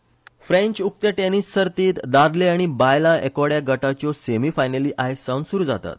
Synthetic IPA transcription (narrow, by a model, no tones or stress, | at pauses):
fɾẽɲt͡ɕuk̚t̪əʈenisːəɾt̪iːt̪d̪ad̪leaɽ̃ibajlaekʋɽjaɡəʈat͡ɕɔsemiːfajnəliːʔaɦesawnsuɾuːd͡zat̪a̰t̪̚